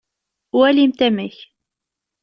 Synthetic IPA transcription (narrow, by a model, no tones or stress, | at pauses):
wælimt̪æməç